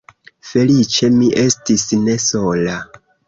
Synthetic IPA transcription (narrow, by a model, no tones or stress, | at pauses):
fe̞lit͡ʃe̞miʔe̞stisne̞so̞la